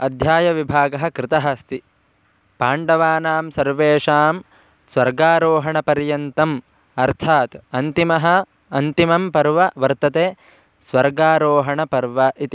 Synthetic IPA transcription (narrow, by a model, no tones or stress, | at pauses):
ɐd̪ʱjaːjɐʋibʱaːɡɐɦɐ̆kɾɪt̪ɐɦɐst̪i | paːɳɖɐʋaːnaːmsɐɾʋeːʂaːm | sʋɐɾɡaːɾoːɦɐɳɐpɐɾjɐnt̪ɐm | ɐɾt̪ʰaːt̪ɐnt̪imɐɦɐ̆ | ɐnt̪imɐmpɐɾʋɐʋɐɾt̪ɐt̪eː | sʋɐɾɡaːɾoːɦɐɳɐpɐɾʋɐʔit̪i